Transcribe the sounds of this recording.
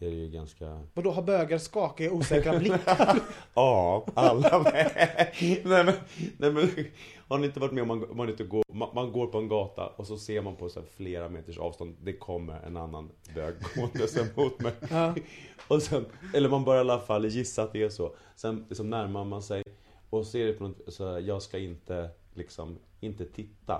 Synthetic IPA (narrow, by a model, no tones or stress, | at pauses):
d̪ɛæɾɛjɵɡanska̰vad̪ɔɦabøːɡaɾskɑːkauːsɛːkɾbl | ɑːalːanɛɛ | nɛmɛnnʔɛmɛn | haɾʊnɪnt̪əvɑɾɪʈ̪mɛɔmanɔmːanɪnt̪əɡoːmamanɡoːɾpɔɛnɡɑːt̪ʰa̰ʔɔsɔseːɾmanpʰɔsæ̰ːɾfleːɾameːt̪əʂɑ̰ːvst̪ɔnd̪d̪ɛkʰɔmːə̰ɾɛ̰na̰nːa̰n | bøːɡ̚mond̪əsɛmuːt̪mɛj | ɔsɛnɛlːəɾmanbœɾjajalːafalːjɪsːaːt̪̚d̪ɛæʂɔ | sɛnlɪksɔmnæɾmaɾmansɛj | ɔsɔɛɖɛpʰɔnɔt̪sɔjɑːɡskaɪnt̪əlɪksɔ̰m | ɪnt̪ət̪ʰɪt̪ʰːa̰